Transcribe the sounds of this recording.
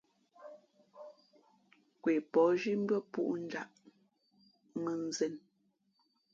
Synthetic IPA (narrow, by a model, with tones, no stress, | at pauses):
kwe˨pɔ˨˦ʒi˦m̩˦bə˦pṵ˦ʔn̩˦d͡ʒa̰˦˨ʔ | mə˨n˨zɛ˨n